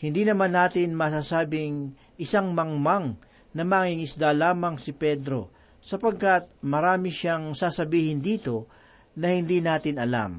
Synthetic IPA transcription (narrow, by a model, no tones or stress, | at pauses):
hɪnd̪iːnɐmanːaːt̪ɪnmɐsaːsaːbɪŋ | ʔɪsaŋmɐŋmaŋ | nɐmaŋiŋɪsd̪alaːmɐŋsɪpɛd̪ɾo̞ | sɐpɐɡ̚kɐt̪̚mɐɾaːmɪʃaŋsaːsɐbiːhɪnd̪iːt̪o̞ | nɐhɪnd̪iːnaːt̪ɪnɐla̰m